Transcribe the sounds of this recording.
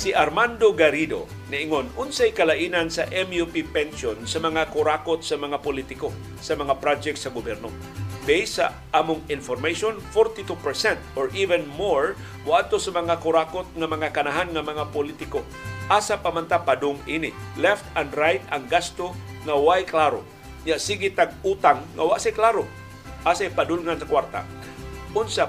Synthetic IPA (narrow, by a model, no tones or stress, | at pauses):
siʔaɾmand̪oɡaɾid̪o̰ | nɪʔɪŋonʔʊnsajkɐlaʔiːnansɐʔɛmjupipɛnsonsɐmɐŋakʊɾakot̪̚sɐmɐŋapʊlit̪ɪko | sɐmɐŋapɾad͡ʒɛk̚t̪sɐɡʊbɛɾno̰ | bɛjsa̰ | ʔaːmʊŋɪnfoɾmejʃonfɔɾt̪it̪upɛɹsɛnt̪ʔoɹʔivɛnmoɹ | waʔad̪t̪osamaŋakʊɾakot̪̚ŋamaŋakanaɦanŋamaŋapolit̪ɪko | ʔasapamant̪apadʊŋinɪlɛft̪anɾajt̪aŋɡast̪oŋawajklaɾo̰ | ɲasiɡɪt̪aɡ̚ut̪aŋːa̰waʔsajklaɾo | ʔasajpadulŋansakwaɾt̪a̰ | ʊnsa